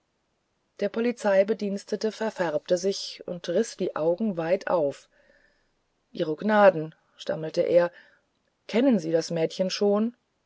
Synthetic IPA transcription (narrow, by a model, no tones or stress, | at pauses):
d̥eːɐpʰɔlit͡saɪbədiːnstətəfɛɐfɛɐp̚təzɪçʊ̰ntʁɪsd̥iːʔaʊɡŋ̩vaɪtʰʔa̰ʊf | ʔḭːʁəɡnaːdn̩ | ʃta̰məl̩təʔḛːɐ | kʰɛnənziːɾasmɛːtçənʃoːn